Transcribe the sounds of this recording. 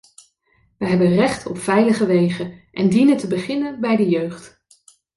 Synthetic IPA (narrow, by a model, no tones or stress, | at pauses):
ʋəɦɛbənrɛχtɔ̰pfɛjləχəʋejχənʔɛndinəntəbəχɪnənbɛjdəjøɥχt